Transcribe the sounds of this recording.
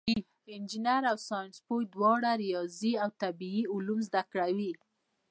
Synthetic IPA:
ɪnd͡ʒɪnaɾawsɑjnspojd̪wɑɽaɾijɑziawt̪abiiʊlumzd̪akɽawi

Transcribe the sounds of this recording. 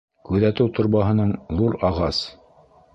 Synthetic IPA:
kʉðæt̪ɘwt̪ŏɾβɑɦɤ̆nɤɴðuɾɑʁɑs

